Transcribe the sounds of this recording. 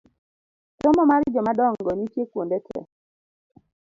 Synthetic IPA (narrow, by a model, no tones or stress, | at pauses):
tomɔmaɾɪd͡ʒɔmadɔŋɡɔnitjekwondetʰɛ̰